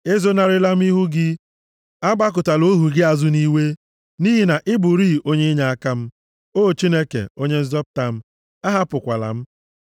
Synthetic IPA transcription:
e˦zo˦na˨ɾɪ˦la˦m̩˦i˦ɦu˦ɡɪ˦ | a˦ba˦k̬ʊ˨ta˨lo˦ɦu˨ɡɪ˦a˨zʊ˦ni˦we˦ | ni˦ɦi˦na˨ʔɪ˦bʊ˨ɾi˦o˦ɲe˦ɲa˦a˦ka˦m̩˦ | oː˦˨t͡ʃi˦ne˦kḛ˨o˦ɲe˦n̩˦zɔ˦p̚ta˨m̩˦ | a˦ɦa˦pʊ˨kʷa̰˨la̰˨m̩˦

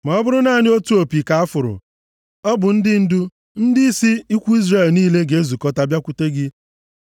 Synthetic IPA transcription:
ma˨ɔ˦bʊ˦ɾʊ˦na˦˨nɪ˦o˦tu˦o˨pi˨ka˨a˦fʊ˨ɾʊ̰˨ | ɔ˦bʊ˨n̩˦dɪ˦n̩˦dʊ˦ | n̩˦dɪ˦i˦si˦i˦kʷu˦i˦zre˦˨lniː˦le˦ɡe˨e˦zu˨kɔ˦ta˦bja˦kʷu˨te˦ɡɪ˦

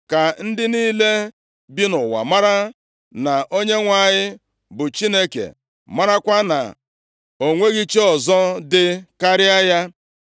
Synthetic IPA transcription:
ka˨n̩˦dɪ˦niː˦le˦ | bi˦nʊ˨wa̰˨ma˦ɾa˦ | na˨ʔo˦ɲe˦ŋʷa˨ɲɪ˦ | bʊ˨t͡ʃi˦ne˦kḛ˨ | ma˦ɾa˦kʷa˦na̰˨ | o˨ŋʷe˦ɣi˦t͡ʃe˦ɔ˨zɔ˦dɪ˦ka˦ɾɪ˦a˦ja˦

